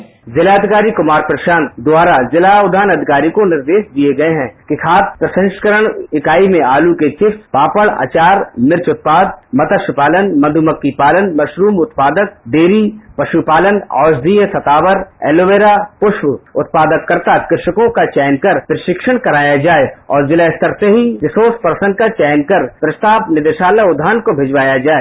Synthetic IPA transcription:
zɪlaːd̪ʱɪkaːɾikʊmaːɾpɾɐʃaːnd̪ʊwaːɾazɪlaʊd̪ʱaːnɐd̪ʱɪkaːɾikonɪɾd̪eːʃd̪ieɡɐeɦɛ̃kɪkʰaːt̪̚ʰpɾɐsə̃nʃkəɾəɽ̃ɪkaːimẽaːluket͡ʃɪfspaːpəɭa̰ːt͡ʃaːɾmɪɾt͡ʃʊt̪̚paːd̪̚mɐt̪əʃɪpaːlənmɐd̪ʱʊməkːipaːlənmɐʃɾuːmʊt̪paːd̪ək̚d̪eːɾipɐʃupaːlənɔ̰ːʃd̪iːjəsɐt̪aːʋəɾɛ̰ːloʋeːɾapʊʃwʊt̪̚paːd̪əkːɐɾt̪akɪɾɪʃəkõkat͡ʃɛːnkɐɾpɾɪʃɪkʃəɽ̃kɐɾaːjad͡ʒaːeɔːɾd͡ʒɪlaɪst̪əɾseɦiʋɪsoːspəɾsə̃nd̪̚kat͡ʃɛːnkɐɾpɾɐst̪aːbnɪd̪eːʃaːlaʊd̪ʱːaːnkobʱed͡ʒʋaːjad͡ʒaːe

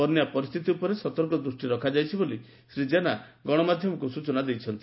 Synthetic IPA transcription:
ɔnjapɔɾist̪ʰit̪iupɔɾesɔt̪ɔɾkɔd̪ɾusʈiɾɔkʰad͡ʒajt͡ʃʰiboli | sɾid͡ʒena | ɡɔɽ̃ɔmad̪ʱjɔmɔkusut͡ʃɔnad̪ejt͡ʃʰɔnt̪i

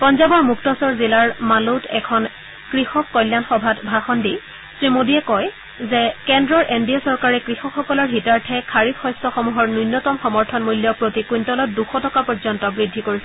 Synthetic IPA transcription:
pɔnzabɔɹmuktɔsɔɹzilaɹmalotɛkʰɔn | kɹixɔkːɔjljanxɔbʱatbʱaxɔndi | sɹimodiɛkɔj | zɛkɛndɹɔɹʔendiasɔɹkaɹɛkɹixɔkxɔkɔlɔɹɦitaɹtʰɛkʰaɹipxɔjstɔxɔmuɦɔɹnunːɔtɔmxɔmɔɹtʰɔnmuljɔpɹotikujntɔlɔtduxɔtɔkapɔɹzɔntɔbɹidʱːikoɹisɛ

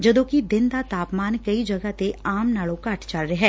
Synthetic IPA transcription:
d͡ʒəd̪õːkid̪ɪnd̪aːt̪aːpmaːnkəid͡ʒəɡat̪eaːmnaːlõːkəʈt͡ʃəlɾeɦɛː

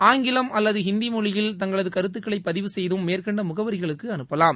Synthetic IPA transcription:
aːŋɡɪlɐmɐlːɐðɯɦɪnd̪imʊɻɪjɪlt̪ɐŋɡɐɭɐðɯkɐɾɯt̪̬ːɯkːɐɭɐɪpːɐðɪʋɯsɛjðɯmːeːrkɐɳɖɐmʊɣɐʋɐɾɪɣɐɭɯkːɯɐnɯppːɐlaːm

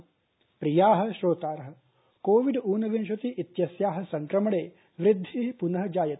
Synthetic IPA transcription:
pɾijaːɦɐ̆ʃɾoːt̪aːɾɐɦɐ | koːʋiɖuːnɐʋinʃʋɐt̪iʔit̪jɐsjaːɦɐ̆sɐŋkɾɐmɐɽeː | ʋɾid̪ʱːipunɐɦɐd͡ʒaːjɐt̪

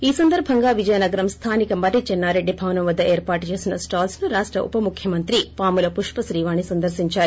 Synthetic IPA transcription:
iːsɐnd̪ɐɾbʱɐŋɡaːʋid͡ʒɐjɐnɐɡɐɾɐmst̪ʰaːnikɐmbɐɾit͡ʃɛnːaːɾeɖːibʱɐːʋɐnɐmʋɐd̪ːɐʔeːɾpaːʈt͡ʃe̞ːsinɐsʈaːlsnuɾaːʂʈɾɐ̰ʔṵpɐmukʰjɐmɐnt̪ɾipaːmulɐpuʂpɐsɾiːʋaːnisɐnd̪ɐɾsiɲt͡ʃaːɾuu

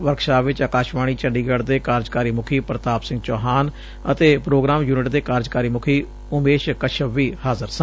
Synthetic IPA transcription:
ʋəɾkʃaːʋɪt͡ʃaːkaːʃʋaːɽ̃iːt͡ʃəɳɖiːɡəɽd̪eːkaːɾd͡ʒkaːɾiːmʊkʰiːpɾət̪aːpsɪ̃ŋɡt͡ʃɔːɦaːn | ət̪eːpɾoːɡɾaːmjuːnɪʈd̪eːkaːɾd͡ʒkaːɾiːmʊkʰiː | ʊmeːʃkəʃʰəʋːiːhaːzəɾsə̃

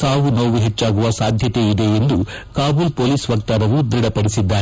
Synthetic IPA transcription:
saːʋunoʋuɦet͡ʃːaːɡuʋɐsaːd̪ʱjɐt̪e̞id̪e̞end̪u | kaːbulpoːliːsʋɐkt̪aːɾɐʋud̪ɾiɽɐpɐɽisid̪ːaːɾe

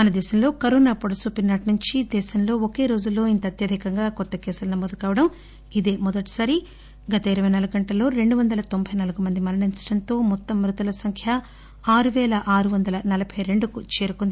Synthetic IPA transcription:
mɐnɐd̪ɛːʃɐmlo̞ːkɐɾoːnaːpoɽɐsuːpinːaːʈnuɲt͡ʃid̪ɛːʃɐmlo̞ːoke̞ːɾo̞ːd͡ʒulːo̞ːint̪ɐɐt̪jɐd̪ʱikɐŋɡaːkɔt̪ːɐkɛːsulɐnɐmoːd̪ukaːʋɐɽɐm | id̪e̞ːmɔd̪ɐʈi̥saːɾi | ɡɐt̪ɐiɾɐʋɐjnɐlɐɡɐɳʈɐlo̞ːɾe̞ɳɖuʋɐnd̪ɐlɐt̪o̞mbʱɐjnɐlɐɡumɐnd̪imɐɾɐɳint͡ʃɐɽɐnt̪o̞ːmɔt̪ːɐmːɾut̪ɐlɐsɐŋkʰjɐ | aːɾuʋɛːlɐʔaːɾuʋɐnd̪ɐlɐnɐlɐbʱɐjɾe̞ɳɖukut͡ʃeːɾukond̪i

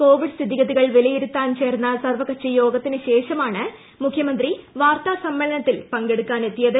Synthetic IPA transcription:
ko̞ːʋiɖst̪ʰiðiɣɐðiɣɐɭʋelɐjiɾut̪ːaːnt͡ɕe̞ːrnːɐsɐrʋɐkɐt͡ɕːɐjo̞ːɡɐt̪ːinɨɕe̞ːʂɐmaːɳɨ | mukʰjɐmɐnd̪riʋaːrt̪asɐmbɐlɐnɐt̪ːilpɐŋɡeɽukːaːnet̪ːijɐðɨ

